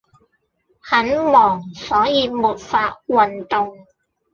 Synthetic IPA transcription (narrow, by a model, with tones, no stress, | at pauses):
hɐ˨˥nmɔː˨˩ŋsɔː˨˥jiː˨˧muː˨t̚faː˧t̚wɐ˨nt̪ʊ˨ŋ